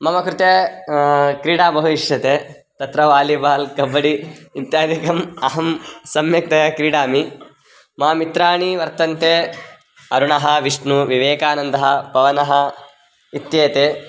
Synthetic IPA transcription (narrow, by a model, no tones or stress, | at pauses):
mɐmɐkɾut̪e | kɾiːɽaːbɐɦuiʂjɐt̪eː | t̪ɐt̪ɾɐʋaːlibaːlkɐbːɐɽiit̪jaːd̪ʱikɐmɐɦɐmsɐmjɐk̚t̪ɐɐkɾiːɽaːmi | maːmit̪ɾaːɳiʋɐɾt̪ɐnt̪eː | ɐɾuɳɐɦɐ̆ʋiʂɳuʋiʋeːkaːnɐnd̪ɐɦɐpɐʋɐnɐɦɐ | it̪jeːt̪eː